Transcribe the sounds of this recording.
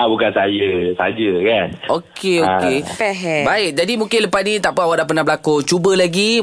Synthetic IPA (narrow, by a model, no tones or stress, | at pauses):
abukansajəsa̰d͡ʒəkanokeokepɛɦɛbaɪk̚d͡ʒadimũŋkɪnləpasnit̪aʔpəawaʔdaʔp̬ənãhbəlakot͡ʃubəlaɡi